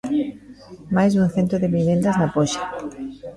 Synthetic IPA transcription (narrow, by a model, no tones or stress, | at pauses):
majzðuŋθent̪oðeβinẽnd̪aznapoʃḁ